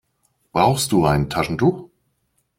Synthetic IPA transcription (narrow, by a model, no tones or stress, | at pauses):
b̥ʁaʊxst̚d̥uːaɪnəntʰaʃn̩tux